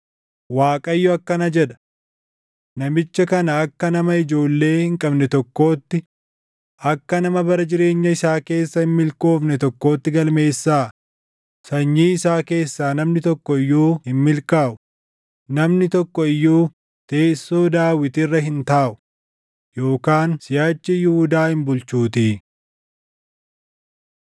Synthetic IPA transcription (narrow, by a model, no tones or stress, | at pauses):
waːkʼɐjːɔɐkːɐnɐd͡ʒɛd̪ɐ̥ | nɐmɪt͡ʃːɐkɐnɐːkːɐnɐmɐɪd͡ʒo̞ːlːe̞ːhɪŋkʼɐbnɛt̪ɔkːo̞ːt̪ːɪ | ʔɐkːɐnɐmɐbɐɾɐd͡ʒɪɾe̞ːɲːɐɪsaːke̞ːsːɐhɪmmɪlko̞ːfnɛt̪ɔkːo̞ːt̪ːɪɡɐlme̞ːsːaː | sɐɲːiːɪsaːke̞ːsːaːnɐmnɪt̪ɔkːɔɪjːuːhɪmmɪlkaːʔʊ̥ | nɐmnɪt̪ɔkːɔɪjːuː | t̪e̞ːsːo̞ːd̪aːwɪt̪ɪrːɐɦɪnt̪aːʔʊ̥ | jo̞ːkaːnsɪjaːt͡ʃːɪjʊhʊd̪aːhɪmbʊlt͡ʃuːt̪iː